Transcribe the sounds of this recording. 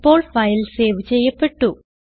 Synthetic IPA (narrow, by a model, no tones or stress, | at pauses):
pːo̞ːɭfɐjlseːʋt͡ɕe̞jːɐpːe̞ʈːu